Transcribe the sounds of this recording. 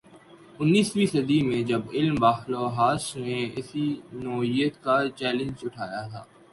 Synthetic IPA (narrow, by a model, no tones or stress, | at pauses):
ʊnːiːswiːsɐd̪imẽd͡ʒɐbɪlmbaːxloːɦaːsnẽɪ̰sinoːɪjət̪kat͡ʃɛːlə̃nd͡ʒʊʈʰaːjat̪ʰa̰ː